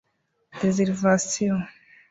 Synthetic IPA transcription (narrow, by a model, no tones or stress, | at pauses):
d̪ezeɾvasio